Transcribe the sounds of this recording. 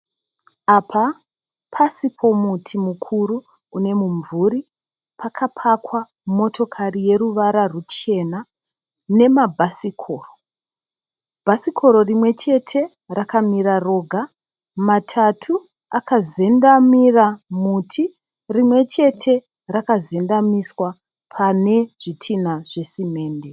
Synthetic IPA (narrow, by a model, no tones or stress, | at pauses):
apʰa | pʰasipʰo̞mutʰimukʰuɾu | une̞muɱvuɾi | pʰakʰapʰakwa | mo̞tʰo̞kʰarije̞ɾuʋaɾarut͡ʃe̞na | ne̞mabʱasikʰo̞ːro | bʱasikʰo̞ɾo̞rimwe̞t͡ʃe̞tʰe̞ | rakamiɾaro̞ɡʱa | matʰatʰu | akʰaze̞ndamiramutʰi | rimwe̞t͡ʃe̞tʰe̞ | rakaze̞ndamiswa | pʰane̞ʐ̥itʰinaʐ̥e̞sime̞ːnde